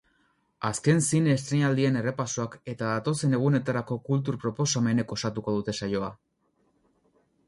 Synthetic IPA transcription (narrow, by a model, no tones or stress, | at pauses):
aske̞nsinest̪ɾeɲald̪ie̞ne̞re̞pasoake̞t̪aðat̪o̞se̞ne̞ɣ̞une̞t̪aɾako̞kult̪̬uɾpɾo̞po̞same̞ne̞ko̞sat̪uko̞ð̞ut̪e̞sajo̞a